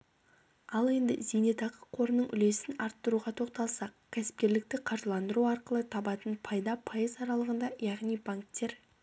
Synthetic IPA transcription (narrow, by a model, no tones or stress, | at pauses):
ɑlˠe̞nd̪ɪ̰zejne̞t̪ɑqə̥qʰo̞ɾənəɴʔʏle̞sɪnɑɾt̪ːəɾuʁɑt̪ʰo̞qt̪ɑlˠsɑqkʲʰæsɪ̥p̚kʲe̞ɾlɪk̚t̪ɪqʰɑɾʒlˠɑnd̪əɾuɑɾqəlˠət̪ʰɑbɑt̪ənpʰɑjd̪ɑpʰɑjəzɑɾɑlˠəʁənd̪ɑjɑʁnijbaŋk̚t̪ːe̞ɾ